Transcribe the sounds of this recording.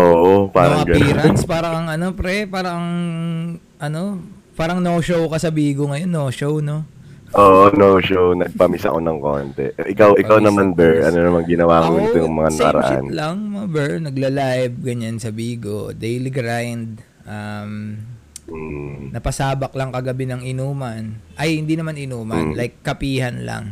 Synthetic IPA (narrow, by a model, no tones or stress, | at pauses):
ʔoːʔopaːɾɐŋɐɡɐniːɾɐnspaːɾɐkɐŋʔɐno̞pɾɛpaːɾɐɐŋ | ʔɐno̞ | paːɾɐŋnoʃowkɐsɐbiːɡoŋɐjo̞nːoːʃowno̞ | ʔoːʔonowʃownɐɡ̚pɐmisɐ̰ko̞nɐŋko̰ːnt̪ɛ̰ʔʔɪkawʔɪawnɐmanbɛʔɐnonɐmaŋɡɪnɐwaːkonɪt̪ojʊŋmɐŋanɐɐ̰ɾɐ̰ʔa̰nlɐŋmɐbɛɹnɐɡlɐlaɪb̚ɡɐɲansɐbiːɡo̰d̪ejliɡɾajnd̪̚ | ʔam̩ | nɐpɐsaːbɐk̚lɐŋkɐɡɐbɪnɐŋɪnuːmɐnʔɐjhɪnd̪inɐmanɪnuːmɐnlajkːɐpiːhɐnlɐ̰ŋ